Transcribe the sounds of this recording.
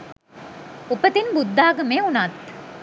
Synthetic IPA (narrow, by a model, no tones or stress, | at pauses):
ʊpət̪inbʊd̪ʱːaːɡəmẽʊnat̪